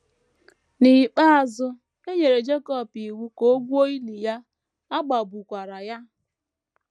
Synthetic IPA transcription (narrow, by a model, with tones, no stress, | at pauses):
ni˨k͡pa˦a˨zʊ˦ | e˦ɲe˨ɾe˨d͡ʒe˦kɔ˦˨pi˨wu˦ko˦ɡʷu˦o˦i˦li˨ja˦ | a˦ɡ͡ba˨bu˨kʷa˨ɾa˨ja˦